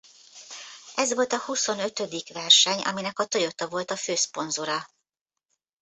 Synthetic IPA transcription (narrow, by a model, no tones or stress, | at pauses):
ɛzʋo̞lt̪ɒhuso̞nø̞t̪ø̞d̪ikʋɛrʃɛɲɒ̰minɛkɒt̪ojo̞t̪ɒvo̞lt̪ɒføːspo̞nzuɾɒ